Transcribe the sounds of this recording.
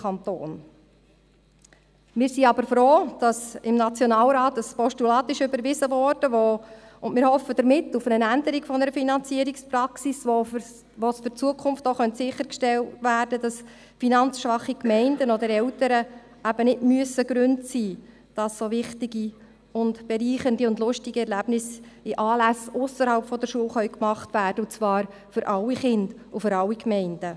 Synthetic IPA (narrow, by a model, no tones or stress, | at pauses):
ɑnt̪o̰ːn | mɪːɾsiɑbəɾfɾoːd̥ɑsɪmnɑt͡sjɔnɑːlɾɑːt̪əspɔʃtylɑːt̪ɪʃʏbəɾʋɪzəʋɔrd̥əʋoʊnmɪːɾhɔfːəd̥əɾmɪtːufənənændəɾiɡfɔnəɾəfinɑnt͡siːəɾikspɾɑksiso | ʋosfʏɾt͡suəkʰʊmft̪oχœntsɪχəɾkʃtɛltʋæːɾd̥əd̥ɑs | finɑnt͡sʃʋɑχikmɛɪndənɔd̪əɾɛltəɾə | æb̥ənɪdmyəsːəɡɾʉntsiː | d̥ɑssoʋɪχtɪɡi | ʊndb̥ɛɾiːχəndiʊndlʊʃtiɡiɛɾlæb̥nɪsɪʔɑːlæsʊsəɾhɑlpfɔd̪əɾʃuəlχœʏkmɑχtʋæːrd̥əʊt͡svɑːɾ | fʏɾʔɑlːiχɪnd̥ | ufʏɾɑlːikmɛɪnd̥ə